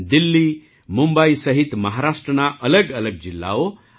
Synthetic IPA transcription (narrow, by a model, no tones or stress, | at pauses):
d̪ilːi | mumbəisəɦit̪məɦaɾasʈɾənaʔələɡələɡ̚d͡ʑilːa̰o